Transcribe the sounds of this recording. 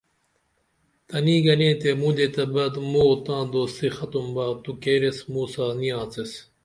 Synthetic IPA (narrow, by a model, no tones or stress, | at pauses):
t̪ɐniːɡɐnẽːt̪emũːd̪et̪ɐbɐd̪moːt̪ãːd̪oːsixɐt̪umbaːt̪ukeːɾesmuːsaːnijãːt͡ses